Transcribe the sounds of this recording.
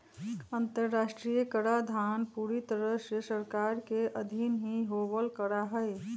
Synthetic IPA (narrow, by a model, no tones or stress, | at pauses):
ənt̪əɾːasʈɾijəkəɽad̪ʱanpuɾit̪əɾəsəsəɾkaɾkeʔəd̪ʱinɦĩɦobəlkəɽaɦəj